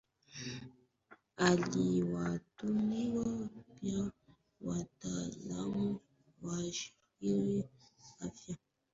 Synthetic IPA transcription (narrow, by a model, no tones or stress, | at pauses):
aliwatumiwapja | watala̰mo | waʃi | iɾiafja